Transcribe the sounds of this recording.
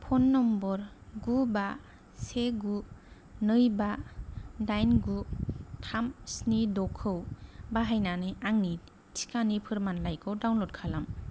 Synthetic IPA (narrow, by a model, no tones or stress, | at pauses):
pʰɔnːɔmbɔɾɡuba | seɡu | nɯjba | dajnɡutʰamsnidɔkʰɯwbaɦajnanɯaŋni | tʰi̥kʰanipʰɯɾmanlajkʰɔwdawnlɔdkʰalam